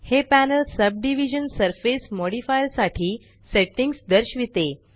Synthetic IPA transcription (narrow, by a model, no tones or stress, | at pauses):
hepænəlsəb̚ɖiʋid͡ʑənsəɾfesmɔɽifajlsaʈʰiː | seʈiŋɡsd̪əɾɕʋit̪e